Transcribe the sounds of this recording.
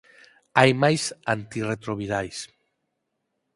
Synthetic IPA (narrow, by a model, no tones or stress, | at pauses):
ajmajsant̪iret̪ɾoβiðajs